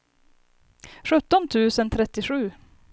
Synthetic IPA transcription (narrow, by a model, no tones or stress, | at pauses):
ɧɵt̪ːɔnt̪ʰʉ̟ːsənt̪ʰɾɛt̪ːɪɧʉ̟ː